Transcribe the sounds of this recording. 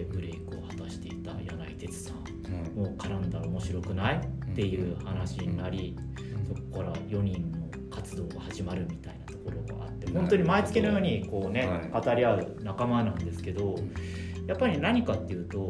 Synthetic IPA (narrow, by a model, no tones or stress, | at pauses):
epɯ̟ɾe̞ikɯ̟o̞hat̪aɕi̥t̪e̞it̪a̰jana̰it̪e̞t͡sɨ̥sãɴ | mokaɾãnd̪aɾomo̞ɕiɾo̞kɯ̟nait̪ːe̞jɯ̟ːhanaɕiɲinaɾʲi | so̞kokaɾajo̞ɲ̟ĩnːo̞ | kat͡sɨd̪o̞ːɡahaʑimaɾɯ̟mʲit̪ainat̪o̞ko̞ɾo̞ɡa̰a̰t̪ːe̞hoont̪o̞ɲ̟imait͡sɨ̥kʲinojo̞ːɲ̟iko̞ːne̞kat̪aɾʲiaɯ̟nakamanãnd̪e̞sɨ̥ke̞d̪o̞ | japːaɾʲinaɲ̟ikat̪ːe̞jɯ̟ːt̪o̞